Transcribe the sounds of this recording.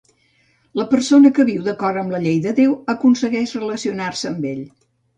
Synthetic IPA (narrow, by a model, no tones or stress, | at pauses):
ləpəɾsonəkəβiwðəkɔɾəmləʎejðəðewəkunsəɣɛʃrələsiunarsəːmbeʎ